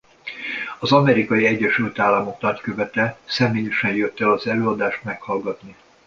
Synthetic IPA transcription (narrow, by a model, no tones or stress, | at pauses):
ɒzɒmɛɾikɒjiɛɟːɛʃylt̪aːlːɒmo̞knɒckøvɛt̪ɛsɛmeːjɛʃɛnjøt̪ːɛɒzɛløːɒd̪aːʃt̪mɛkhɒlɡɒt̪ni